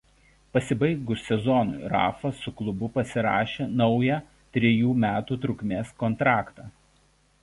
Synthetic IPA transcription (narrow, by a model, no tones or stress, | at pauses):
pɐsʲɪbɐɪɡʊssʲɛzɔnʊ̰ɪɾɑ̰ːfɐsʊklˠʊbʊpɐsʲɪɾɑ̰ːʃʲeːnɒʊjɛː | t̪ʲɾʲɪjuːmʲæːt̪uːt̪ɾʊkʲmʲeːskɔnt̪ɾɑːkt̪ɑː